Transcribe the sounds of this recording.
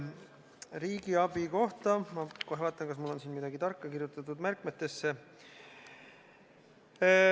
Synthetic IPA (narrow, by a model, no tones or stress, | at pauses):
ɾiːɡiɑbiko̞ht̪ɑmɑkohevɑːt̪ːˑɑnkɑs̬mulːo̞nsiːnmid̪̥ɑɡit̪ɑrkːɑkirjut̪ˑːɑt̪ːˑud̪̥mærkˑmet̪ːe̞sːe̞